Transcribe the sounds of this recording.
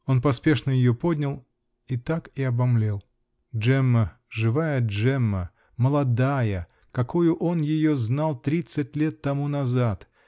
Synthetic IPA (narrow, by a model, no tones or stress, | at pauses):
o̞npɐspʲe̞ʂnəjɪjopodʲnʲəlˠ | it̪akɪɐbɐmlʲe̞lˠ | ʐɛmːə | ʐɨvajəʐɛmːə | məlˠɐd̪ajə | kɐkojʊʔo̞njɪjoznalˠt̪ɾʲit̪sɨt̚ʲlʲe̞t̪ːɐmunɐzat̪